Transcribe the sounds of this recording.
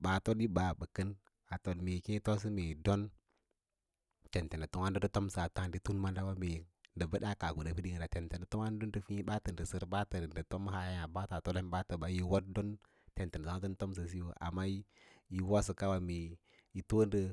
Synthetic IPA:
ɓa˨to˦di˦ba˨bə˨kə˦n | ɓa˨to˨dme˨kĩ˦to˦s̬i˦me˨do˦n | te˨nte˨ndə˨tu˦ŋa˦n˦də˦do˦to˦msa˨ta˦ŋ˨di˦tu˦nma˦nda˦wa˦me˨ndə˨bə˦ɗa˦ka˨ɡu˨da˨pi˦di˦˨ŋ˨da˨te˨nte˨ndə˨tu˦ŋa˦n˦du˦ndə˨fi˦ɓa˦tə˨ndə˨sə˦ɾba˦tə˨ndə˨to˦m˦ɦa˨ja˦ja˨ba˦ta˨to˦le˦n˦ɓa˦tə˨ba˨ji˦wo˦t̚do˦n | te˨nte˨n˨a˦tɨ˦nto˦ms̬ə˨s̬i˦wo˨ʔa̰˨mːa˦i˦ji˦wo˦s̬ə˨ka˦wa˨me˨ | i˨to˦ndə˦

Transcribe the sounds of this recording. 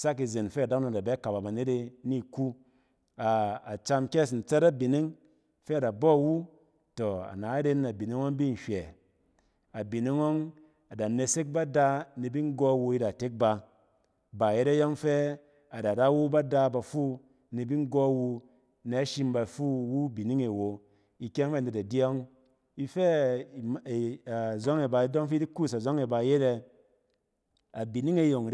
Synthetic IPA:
sa˦k̬i˧ze˨nfe˦a˨da˦ŋ˦na˨da˨be˦ka˨ba˨ba˨ne˦ɾe˧ni˦˨ku˦ | a˨a˨t͡ʃa˧mkʲe˦sn̩˨t͡sɛ˦ta˦bi˨ni˦ŋ | fe˦a˨da˨bɔ˦˨wu˦ | to˨a̰˨na˨a˦ɾe˦na˨bi˨ni˦ŋo˦ŋbi˦n̩˨ʃʷɛ˨ | a˨bi˨ni˦ŋo˦ŋ | a˨da˨ne˧se˦k̚ba˦da˧ni˧bi˦ŋ˦ɡo˧˦wu˧i˧da˨te˦k̚ba˧ | ba˨je˦ɾe˦jɔ˦ŋfe˦ | a˨da˨da˦wu˦ba˦da˧ba˧fu˦ | ni˧˨bi˦ŋ˦ɡɔ˦wu˧ | ne˧a˦ʃi˧mba˧fu˦wu˦bi˨ni˦ŋe˨wo˨ | i˧kʲe˦ŋ˦fde˨ta˨djɔ˦ŋ | i˦fe˦˨ | zɔ˦ŋe˨ba˧i˦dɔ˦ŋfi˦di˦ku˦˨sa˨zɔ˦ŋe˨ba˨je˦ɾe˧ | a˨bi˨ni˦ŋe˦jo˨ŋ˨ɾ

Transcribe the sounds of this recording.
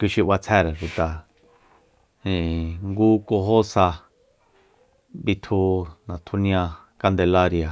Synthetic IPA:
kʷi˧ʃi˧ʔwa˧t͡sʰɛ˦˧ɾa˨ʂu˨t̪a˨ | ĩ˨ŋɡuː˦ko˧ɦo˦sa˧ | bi˧t̪ʰu˧nã˨t̪ʰu˧nĩ˧ã˧ | ka˧nd̪e˧la˦ɾja˨

